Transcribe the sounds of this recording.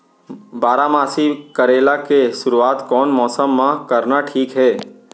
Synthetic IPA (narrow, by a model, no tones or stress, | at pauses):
baːɾamaːsikəɾeːlakeʃʊɾuaːt̪kɔːnmɔːsəmːãkəɾnaʈʰiːkɦɛː